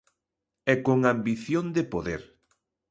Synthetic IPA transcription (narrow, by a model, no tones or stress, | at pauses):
ɛkoŋambiθjond̪epoðeɾ